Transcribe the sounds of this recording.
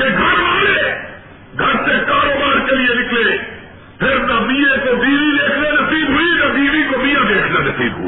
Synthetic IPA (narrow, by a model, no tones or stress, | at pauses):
keɡʱɐɾmaːle | ɡʱɐɾt̪ekaːɾoːbaːɾkelienɪkle | pʰɪɾnamiẽkobiːʋid̪eːkʰnenɐsiːbɦʊinab̪iːʋikomijãd̪eːkʰnenɐsḭːbɦṵ